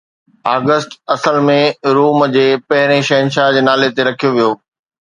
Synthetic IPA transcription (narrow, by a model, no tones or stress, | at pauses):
aːɡəsʈɐsəlmẽɾuːmd͡ʑeːpɐɦɪɾ̃ẽʃɐɦənʃad͡ʑeːnaːlet̪eɾɐkʰijoʋijoː